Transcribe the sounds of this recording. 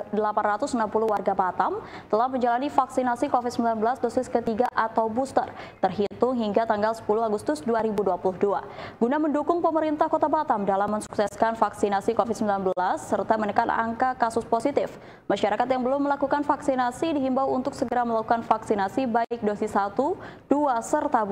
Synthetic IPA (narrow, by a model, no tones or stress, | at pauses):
dəlapanrat̪ʊsnampulʊhwarɡapat̪amt̪əlahməɲd͡ʒalanifaksinasikofɪt̪̚səmbilanbəlasdosɪskət̪iɡaʔat̪awbust̪ə̰rt̪ərɦit̪ʊŋɦiŋɡat̪aŋɡalsə̥pulʊɦaɡust̪ʊsduaɾibuduapulʊhduaɡunaməndukʊŋpəməɾint̪ahkot̪abat̪amdalamːəŋsu̥ksɛskanfaksinasikofɪt̪̚səmbilanbəlasːərt̪amənəkana̰ŋkakasʊsposit̪ɪf | maʃaɾakat̪jaŋbəlʊmːəlakukanfaksinasidiɦimbawunt̪ʊksəɡəɾaməlakukanfaksinasibaɪk̚dosɪsat̪ud̥uasərt̪ab